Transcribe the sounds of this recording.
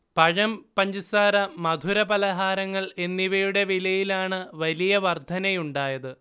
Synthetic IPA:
pɐɻɐmpɐɲd͡ʑisaːɾɐmɐd̪ʱuɾɐbɐlɐɦaːɾɐŋːɐɭe̞nːiʋɐjuɽe̞ʋilɐjilaːɳɨʋɐlijɐʋɐrd̪ʱɐnɐjuɳɖaːjɐðɨ

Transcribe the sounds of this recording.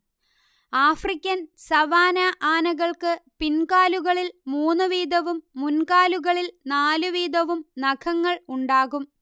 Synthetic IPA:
aːfrikʲːɐnsɐʋaːnɐʔaːnɐɣɐɭkɨpinkaːluɣɐɭilmuːnːɨʋiːd̪ɐʋumːunkaːluɣɐɭilnaːluʋiːd̪ɐʋumnɐkʰɐŋːɐɭuɳɖaːɣum

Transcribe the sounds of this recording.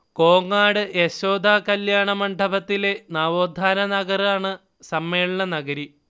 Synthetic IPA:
ko̞ːŋːaːɽɨʔeɕoːd̪ʱaːkɐljaːɳɐmɐɳɖʱɐbɐt̪ːile̞naːʋoːd̪ʱaːnɐnɐɣɐraːɳɨ | sɐmːe̞ːɭɐɳɐnɐɣɐɾi

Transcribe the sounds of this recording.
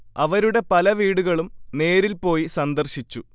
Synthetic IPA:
ɐʋɐɾuɽe̞pɐlɐʋiːɽuɣɐɭumne̞ːɾilpo̞ːjisɐnd̪ɐrɕit͡ɕːu

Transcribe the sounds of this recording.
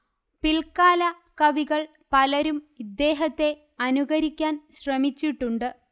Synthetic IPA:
pilkaːlɐ | kɐʋiɣɐɭ | pɐlɐɾumid̪ːe̞ːɦɐt̪ːe̞ | ɐnuɣɐɾikʲːaːnɕrɐmit͡ɕːiʈːuɳɖɨ

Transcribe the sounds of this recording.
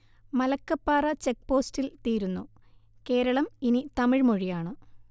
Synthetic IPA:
mɐlɐkːɐpːaːrɐt͡ɕe̞k̚po̞ːstilt̪iːɾunːu | ke̞ːɾɐɭɐminit̪ɐmiɻmoɻijaːɳɨ

